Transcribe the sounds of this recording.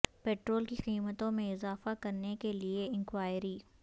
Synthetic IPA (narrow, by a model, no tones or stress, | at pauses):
peːʈɾoːlkiqiːmət̪õmẽɪzaːfakɐɾnekelieɪ̃ŋkwaːɪɾiː